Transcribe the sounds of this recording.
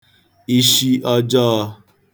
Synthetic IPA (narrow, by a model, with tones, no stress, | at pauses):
i˦ʃi˦ʔɔ˦d͡ʒɔː˦˧